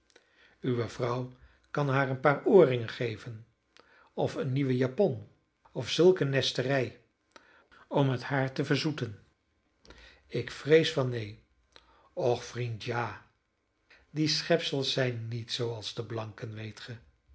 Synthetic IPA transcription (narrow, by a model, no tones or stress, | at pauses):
yʋəv̥rʌw | kɑnɦaːɹənpaːɹʔoːrɪŋənχejvən | ɔfənːiʋəjapɔn | ɔfsɵlˠkənːɛstərɛj | ɔməthaːɹtəvəɹzutən | ɪkfrejsfɑnːej | ɔχfrintjaː | disχɛpsəlˠsɛjnːitsowɑlˠzdəblɑŋkənʋejtχə